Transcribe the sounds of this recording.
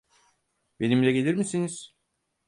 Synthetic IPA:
be̞nimlʲɛɟelʲiɾmisiniz̥

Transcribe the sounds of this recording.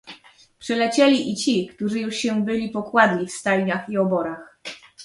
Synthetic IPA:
pʂɛlɛt͡ɕɛlʲiʔit͡ɕikt̪uʐɘjuʂɕɛbɘlʲipɔkwad̪lʲifst̪ajɲaxiɔbɔɾax

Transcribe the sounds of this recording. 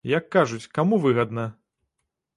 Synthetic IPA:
jɐkːaʐut͡sʲkamuvɨɣɐd̪nɐ

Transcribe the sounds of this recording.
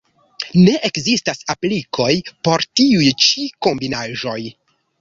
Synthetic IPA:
ne̞ʔekzistasaplikʰo̞jpo̞ɾtiujt͡ʃiko̞mbinaʒo̞j

